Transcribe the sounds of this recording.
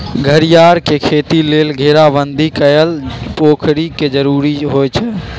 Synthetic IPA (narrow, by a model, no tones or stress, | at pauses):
ɡʱəɾijaɾkekʰet̪ilelɡʱeɾabənd̪ʱikəjlpokʰɾiked͡ʒəɾuɾiɦojt͡ʃʰɛ